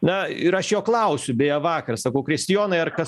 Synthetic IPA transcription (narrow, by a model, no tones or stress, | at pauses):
nɐɪɾɐʃjoːklˠɐʊsʲʊbʲeːjɛʋɑːkɐrsɐkɐʊkɾʲɛsʲt̪ʲɪjoːnɐɪɐrkɐs